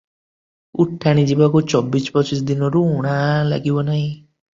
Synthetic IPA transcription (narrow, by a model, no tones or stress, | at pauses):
uʈʰːaɽ̃id͡ʒibakut͡ʃɔbːisbɔt͡ʃisd̪inɔɾuuɽ̃ala̰ɡibɔnaɦĩ